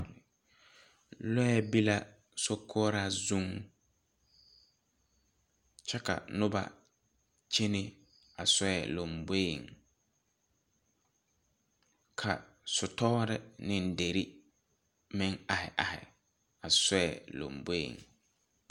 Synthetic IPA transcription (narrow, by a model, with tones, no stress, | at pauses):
lɔ˦ɛ˦bi˦la˦ | so˦kʰɔ˦ɾa˦zu˦ŋ | t͡ʃɛ˦ka̰˨nʊ˦ba̰˨ | t͡ʃe˦ne˦ | a˨sɔ˦ɛ˨lo˨mbo˦˨ŋ | kʰa˨ | sʊ˨tɔ˦ɾɪ˦nɪ˨n˦de˨ɾi˦ | mɪ˦ŋa˨hɪ̰˨ʔa˨hɪ̰˨ | a˨sɔ˦ɛ˨lo̰˨mbo˦ḭ˨ŋ